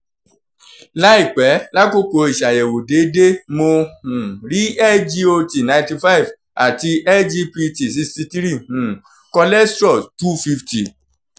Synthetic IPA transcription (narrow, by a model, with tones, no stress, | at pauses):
la˦i˦˨k͡pɛ˨˦la˦ko˦˨ko˧˦i˨ʃa˨jɛ˨wo˨de˨˦de˦mo˧hũ˨ɾi˦ɛ˦ld͡ʒi˧o˧ti˨nã˧nti˧fa˦i˨v | a˨ti˧ʔɛ˦ld͡ʒi˧pi˧ti˨si˧sti˧ti˦ɾi˦˨hũ˨ | kɔ˧lɛ˦stɾɔ˦˨stu˦fi˧fti˨